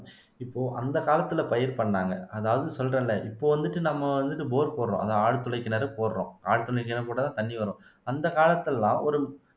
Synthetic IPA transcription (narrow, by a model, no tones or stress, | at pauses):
ɪpːoːʔɐnd̪ɐkaːlɐt̪ːɯlɐpɐjɐɾpɐɳːaːŋɡɐɐðaːʋɐðɯsɔlːrẽːlːɛʔɪpːoːʋɐnd̪ɯʈːɯnɐmːɐʋɐnd̪ɯʈːɯboːɾpoːɾɾõ̰ːɐ̰ðaːaːɽɯt̪ːɯɭɐɪkːɪnɐɾɯpoːɾɾõːa̰ːɽt̪ːɯɭɐkːɪnɐpoːɽɐt̪ãːt̪ɐɳːiʋɐɾõːɐnd̪ɐkaːlɐt̪ːɪllãːʔɔɾɯ